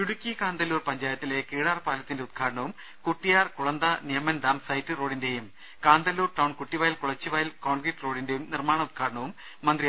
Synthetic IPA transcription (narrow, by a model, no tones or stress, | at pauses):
juɽukʲːikaːnd̪ɐlːuːrpɐɲd͡ʑaːjɐt̪ːilekiːɽaːrpaːlɐt̪ːindeud̪̚kʰaːɽɐɳɐʋum | kuʈːijaːrkuɭɐnd̪ɐnijɐmɐnd̪aːmsɐjtːɨro̞ːɽinde̞ːjum | kaːnd̪ɐlːuːrʈɐwɳkuʈːiʋaːjilkuɭɐt͡ɕːiʋaːjilko̞ːɳɡriʈːro̞ːɽindejumnirmaːɳɐud̪̚kʰaːɽɐɳɐʋumː | ɐnd̪ri